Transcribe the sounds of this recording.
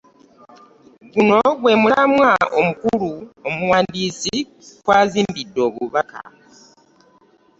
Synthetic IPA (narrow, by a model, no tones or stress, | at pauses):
ɡuno̞ɡwe̞ːmuamwaʔomukuluomuwaːndiːsi | kwaːziːmbidːo̞ːβuβaka̰